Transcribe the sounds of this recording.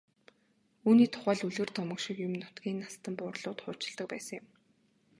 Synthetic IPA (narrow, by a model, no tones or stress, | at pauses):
uːniːt̪ʰʊ̥χæːɮuɮɘ̆ːrt̪ʰɔmə̆kʃĭkjʊmnʊt̪ɡiːnːast̪ə̆mpʊːrɮʊːt̪χʊːt͡ɕɪ̆ɮt̪ə̆k̚pæːsə̆ŋjɪm